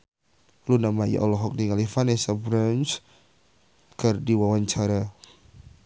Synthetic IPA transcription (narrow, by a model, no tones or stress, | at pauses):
lunamaja̰ʔɔlɔɦɔk̚diŋalifanɛsabɾans | kərdiwawaɲt͡ʃaɾa